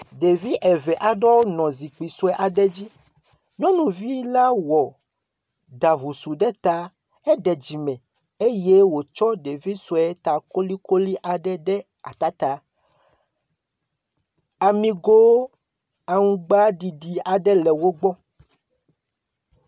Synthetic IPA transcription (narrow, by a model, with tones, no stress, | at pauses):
ɖe˨vi˦ʔɛ˨vɛ˨ʔa˨ɖɔ˦wo˦nɔ̃˨zi˨k͡pi˨su˦ɛ˦ʔa˨ɖɛ˦d͡ʑi˦ | ɲɔ̃˦nũ˨vi˦la˦wɔ˨ | da˨βu˨su˨ɖɛ˦t̪a˦ | ɛ˦ɖɛ˨d͡ʑi˨mɛ̃˨ | e˦je˦wo˨t͡ʃɔ˦ɖe˨vi˦su˨ɛ˦t̪a˨ko˦li˦ko˦li˦ʔa˨ɖɛ˦ɖɛ˦ | a̰˨t̪a˦t̪a˨ | a˨mĩ˨ɡo˦ | a˨ŋũ˦ɡ͡ba˦ɖi˨ɖi˨a˨ɖɛ˦lɛ˨wo˦ɡ͡bɔ˦